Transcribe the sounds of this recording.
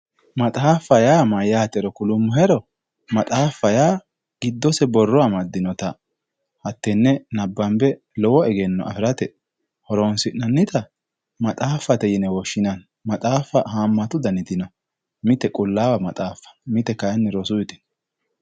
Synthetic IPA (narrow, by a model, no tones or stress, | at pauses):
mɐt̪ʼaːfːɐjaːmɐjːaːt̪ɛɾɔkʊlʊmːʊɦɛɾɔ | mɐt̪ʼaːfːɐjaː | ɡ̥ɪd̪ːɔsɛbɔrːɔamɐd̪ːɪnɔt̪ɐ | hɐt̪ːɛnːɛnɐbːɐmbɛ | lɔwɔɛɡɛnːɔ̰ʔɐ̰fɪɾɐt̪ɛ | hɔɾonsɪʔnɐnːɪt̪ɐ | mɐt̪ʼaːfːɐt̪ɛjɪnɛwɔʃːɪnɐn | mɐt̪ʼaːfːɐhaːmːɐt̪ʊd̪ɐnɪt̪ɪnɔ | mɪt̪ɛkʼʊlːaːwɐmɐt̪ʼaːfːɐ̥mɪt̪ɛkɐjnːɛɾɔsʊɪt̪ɪ̥n